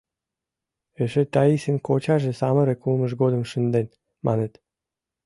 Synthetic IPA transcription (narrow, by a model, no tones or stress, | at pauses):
eʃet̪ɑisenkot͡ɕɑʒĕsɑmə̆ɾĕkulmə̆ʃɡod̪ə̆mʃənd̪en | mɑ̰net̪